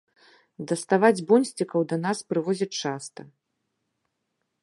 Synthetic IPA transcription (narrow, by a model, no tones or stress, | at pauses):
d̪ɐst̪avad͡zʲbɔnʲsʲt͡sʲikɐwd̪ɐnaspɾɨvɔzʲɐt͡ʂast̪ɐ